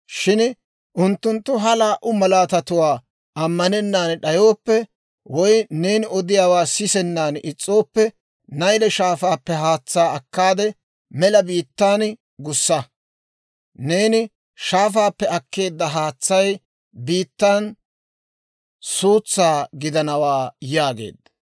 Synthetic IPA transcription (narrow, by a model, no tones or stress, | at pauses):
ʃɪn | ʔʊnt̪ːʊnt̪ːʊɦɐlaːʔʊmɐlaːt̪ɐt̪ʊwaː | ʔɐmːɐnɛnːaːnɗɐjo̞ːpːɛ | wɔjne̞ːnɪɔd̪ɪjaːwaːsɪsɛnːaːnɪt͡sʼːo̞ːpːɛ | nɐjlɛʃaːfaːpːɛɦaːt͡sːaːɐkːaːd̪ɛ | mɛlɐbiːt̪ːaːn | ɡʊsːɐ | ne̞ːnɪ | ʃaːfaːpːɛɐkːe̞ːd̪ːɐɦaːt͡sːɐj | biːt̪ːaːn | suːt͡sːaːɡɪd̪ɐnɐwaːjaːɡḛːd̪ːɐ̥